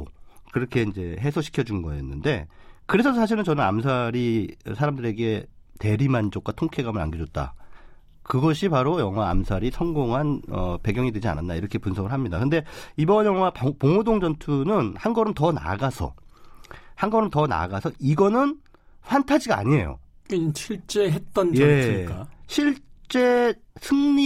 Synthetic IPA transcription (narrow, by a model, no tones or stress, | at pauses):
kɯɾʌkʰe̞ind͡ʑe̞ɦe̞sʰʌɕʰi̥kʰjʌd͡ʑunɡʌḛnːɯnde̞kɯɾe̞sʰʌsʰaɕ̬ʰiɾɯnt͡ɕʌnɯna̰msʰaɾiʌsʰaɾamdɯɾe̞ɡe̞ | te̞ɾimand͡ʑok̚k͈watʰoŋkʰe̞ɡamɯɾa̰nɡed͡ʑʌt̚t͈a̰ | kɯɡʌɕʰipaɾojʌŋwa̰ːmsʰaɾisʰʌŋɡoŋɦanʌ̰pe̞ɡjʌŋidwed͡ʑia̰nantdaiɾʌkʰe̞punsʰʌɡɯɭɦamɲidakɯnde̞ibʌnjʌŋɦwappoŋodoŋd͡ʑʌntʰunɯnhanɡʌɾɯmtʌna̰ɡasʰʌ̰ | hanɡʌɾɯmtʌna̰ɡasʰʌiɡʌnɯn | ɸwantʰad͡ʑiɡa̰ɲie̞̰jo̰ | ɕʰiɭt͡ɕ͈eɦet̚t͈ʌnjjʌe̞k͈aɕʰiɭt͡ɕ͈e̞ | sʰɯŋɲi